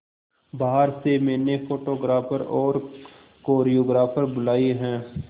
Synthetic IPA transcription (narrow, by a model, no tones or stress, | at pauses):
baːɦəɾsemɛ̃ːnepʰoːʈoːɡɾaːpʰəɾɔːɾ | koːɾioːɡɾaːpʰəɾbʊlaːiɦɛ̃ː